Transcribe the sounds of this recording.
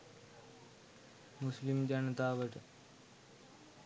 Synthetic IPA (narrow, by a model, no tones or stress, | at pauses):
muslimd͡ʑɐnɐt̪aːʋɐʈ